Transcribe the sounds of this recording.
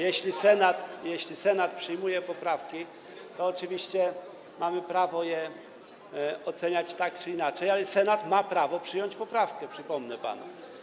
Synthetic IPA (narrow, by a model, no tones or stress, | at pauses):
jɛɕlʲisɛnat̪jɛɕlʲisɛnat̪̚pʂɘjmujɛpɔpɾafkʲi | t̪ɔːt͡ʂɘvʲiɕt͡ɕɛ | mamɘpɾavɔjɛ | ɔt̪sɛɲat͡ɕt̪akt͡ʂɘinat͡ʂɛjalɛsɛnat̪mapɾavɔpʂɘjɔɲt͡ɕpɔpɾafkɛpʂɘpɔmnɛpa̰na̰